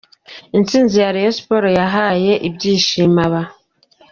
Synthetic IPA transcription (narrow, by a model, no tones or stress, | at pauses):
int͡siːnzijaɾijospoɾojaɦaje̞ʔibɟiːʃiːmaβa